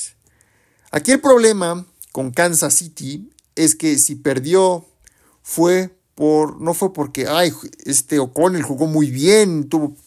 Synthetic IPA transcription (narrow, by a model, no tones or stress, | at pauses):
a̰kie̞lpɾo̞βle̞ma | ko̞ŋkansasit̪i | e̞ske̞sipe̞ɾðjo | fwe | poɾno̞fwe̞po̞ɾkeʔajest̪eokonelxuɣo̞mujβjent̪uβo